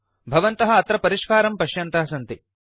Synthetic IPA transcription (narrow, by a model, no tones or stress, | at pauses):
bʱɐʋɐnt̪ɐɦɐ̆ɐt̪ɾɐpɐɾiʂkaːɾɐmpɐʃjɐnt̪ɐɦɐsɐnt̪i